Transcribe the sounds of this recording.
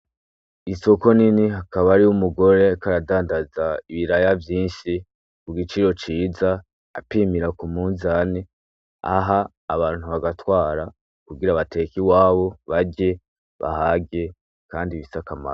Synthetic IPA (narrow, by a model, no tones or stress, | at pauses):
iso̞ko̞niniɦakaβaɾiumuɡo̞ɾe̞kaɾadaːndazaiβiɾajavjiːnʃi | kuɡit͡ʃiɾo̞t͡ʃiːza | a̰piːmiɾakumunzani | a̰ɦaː | βaːn̥huβaɡatwaːɾa | kuɡiɾaβate̞kiwaːβo̞βaɟe̞ | βa̰haɡe̞ | kaːndiβisakama̰